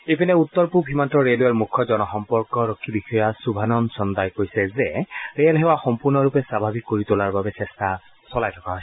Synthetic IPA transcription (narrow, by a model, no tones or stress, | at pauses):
epinɛut̪ːɔɹpupɦimantɔɹeluaɹmukʰːɔzɔnɔxɔmpɔɹkɔɹɔkʰːibixɔjasubʱanɔnsɔndajkojsɛzɛɹealɦɛwaxɔmpuɹnɔɹupɛsɹabʱabikːoɹitulaɹbabɛsɛsta | sɔlajtʰɔkaɦɔj